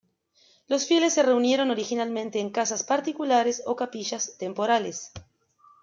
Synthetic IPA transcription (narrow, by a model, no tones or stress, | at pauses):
lo̞sfje̞le̞sːe̞re̞unje̞ɾo̞no̞ɾixinalmẽnt̪eːŋkasaspaɾt̪ikulaɾeso̞kapiʃast̪empo̞ɾales